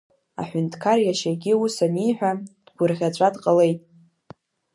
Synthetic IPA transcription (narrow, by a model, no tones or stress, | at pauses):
a̰ħʷᶣʊntʰkʰarjaʃaɡʲiusanijħʷᶣad̥ɡʷʊrʁʲat͡ʃʷʼadqʼəle̞jtʼ